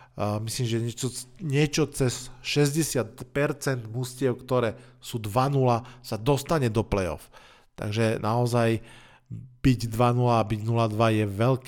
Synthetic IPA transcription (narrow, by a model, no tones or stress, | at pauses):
misliːmʒɛɲɛɔɲɪɛt͡ʃɔt͡sɛsʃɛzɟɛsɪat̪pɛɾt͡sɛnd̪muscɪɛʊkt̪ɔɾɛːsuːd̪ʋanulasad̪ɔst̪aɲɛd̪ɔplɛjɔ̰f | t̪a̰ɡʒɛnʔaɔzaj | b̥iɟd̪ʋanulaːbiɟnulad̪ʋajɛʋɛlk